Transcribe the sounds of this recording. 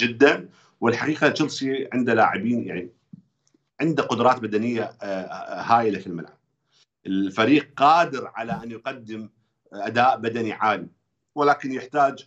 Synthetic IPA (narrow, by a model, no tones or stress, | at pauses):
d͡ʒɪd̪ːan | wɪlħaqiːqaʃʊlsˤiʕɪnd̪alaːʕɪbiːnja̰ʕni | ʕɪnd̪aqʊd̪ɾˤɑːt̪bad̪anɪjːa | haːjlafilma̰lʕa̰b̚ | ʔɪlfaɾiːq̚qɑːd̪ɪɾʕalaʔanjqad̪ːɪm | ʔad̪aːʔbad̪aniʕaːli | wɪlaːkɪnjɪħt̪aːd͡ʒ